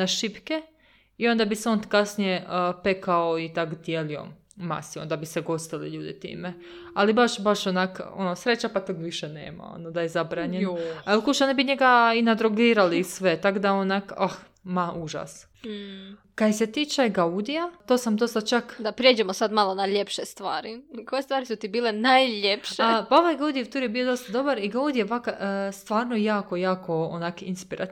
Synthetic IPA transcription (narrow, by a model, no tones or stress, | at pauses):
naʃipke | io̞nd̪abiseo̞nt̪kasnijepekaoit̪akd̪jeːlio̞̰ | ma̰siond̪abiseɡo̞st̪ilḭʎuːd̪it̪ḭːme | alibaʃbaʃonako̰nosɾe̞t͡ɕapat̪okʋiʃenḛːma̰o̰nod̪ajezabɾaɲenaelkuʃanibiɲe̞ɡainad̪ɾoɡiːɾalisʋe̞t̪akd̪aonakah | maʔuʒa̰s̩ | kad̪set̪iːt͡ʃeɡaud̪ijat̪oːsamd̪ost̪at͡ʃakd̪apɾʲjed͡ʒemosad̪malonaʎepʃest̪ʋaːɾikʰojest̪ʋaːɾisut̪ibiːlenajʎepʃeapaoʋajɡaud̪ijet̪uɾjebijod̪o̞st̪ad̪o̞baɾiɡaud̪ijeʋakaʔst̪ʋaːɾnojaːkojaːko̞onakinspiɾʔa̰t̪